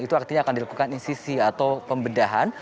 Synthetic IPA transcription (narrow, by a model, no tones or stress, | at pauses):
it̪uak̚t̪iɲaːkandilakukaninsisiat̪awpəmbədaɦa̰n